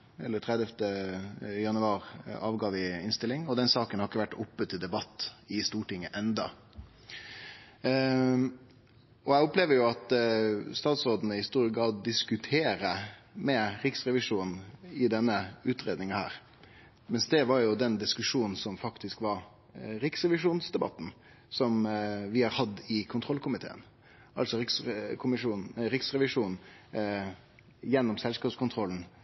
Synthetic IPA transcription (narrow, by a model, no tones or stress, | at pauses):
ɛ̰lːəʈʰɾɛd̪ɛft̪ə | jɑnʉɑːɾɑːʋɡɑːʋɪɪnst̪ɪlɪŋɔd̪ɛnsɑːkənhɑɾɪkːəʋæʈːʊpːət̪ʰːɪld̪ɛbɑt̪ːɪst̪uːʈɪŋːəʔɛnd̪ɑ | ɔæɪʊpleːʋəɾjʊɑt̪st̪ɑːt̪sʁoːd̪nəhɪst̪uːɾəɡɾɑːd̪̚ːɪskʉt̪ʰeːɾəmɛɾɪksɾɛʋɪʂuːnn̩ɪd̪ɛnːəʉːt̪ɾeːd̪nɪŋɑhæ̰ːɾ | mɛnsd̪ɛʋɑɾjʊd̪ɛnd̪ɪskʉʂuːnn̩sɔmfɑkt̪ɪskʋɑɾ | ɾɪksʁɛʋɪʂuːnsd̪ɛbɑ̰t̪ːn̩ | sɔmʋɪhɑɾhɑd̪ɪkʰʊnt̪ʰɾɔlkʰʊmɪt̪ʰḛːə̰n | ʔɑlsɔɾɪkskʰʊmɪʂuːnɾɪksɾɛʋɪʂuːnn̩ | jɛnːɔmsɛlskɑːpskʊnt̪ʰɾɔln̩